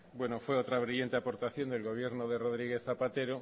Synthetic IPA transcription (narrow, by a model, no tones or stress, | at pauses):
bwe̞nofwe̞ot̪ɾaβ̞ɾiʎe̞nt̪e̞apo̞ɾt̪aθjo̞nd̪e̞lɣo̞β̞je̞ɾnoðe̞ro̞ðɾiɣ̞e̞θθapat̪e̞ɾo